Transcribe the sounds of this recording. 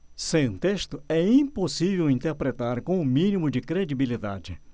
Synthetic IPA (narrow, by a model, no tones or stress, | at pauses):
sẽt̪eʃt̪ʊɛĩposivewĩnt̪eɾpɾet̪aɾkõʊmĩnimʊd͡ʒɪkɾed͡ʒibilid̪a̰d͡ʒɪ